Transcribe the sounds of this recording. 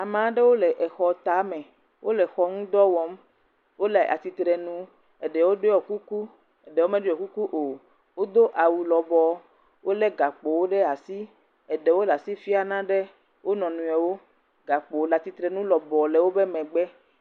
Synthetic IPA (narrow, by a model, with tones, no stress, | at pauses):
a˨mã˨˦ɖe˦wo˦lɛ˨ʔɛ˨xɔ˨t̪a˨˦mɛ̃˨ | wʔo˦lɛ˨xɔ˨ŋũ˦d̪ɔ˦wɔ˦m | wo˦le˨ʔa̰˨t̪i˨t̪ɾɛ˨nũ˨ | ɛ˨ɖɛ˨wo˦ɖo˦jɔ˨ku˦ku˦ | ɛ˨ɖe˨wo˦mɛ̃˦ɖo˦jɔ˨ku˦ku˦ʔo˨ | wo˦d̪o˦ʔa˨wu˨lɔ˨bɔ˨ | wʔo˦lɛ˦ɡa˨k͡po˨wo˦ɖe˦a˨si˦ | ɛ˨ɖɛ˨wo˦la˨si˦fi˦a˨nã˦ɖe˦ | wo˦nɔ̃˨nũ˨e˨wo˦ | ɡa˨k͡po˨˦la˨t̪i˨t̪ɾɛ˨nũ˦lɔ˨bɔ˨le˨wo˦be˦mɛ̃˨ɡ͡bɛ˦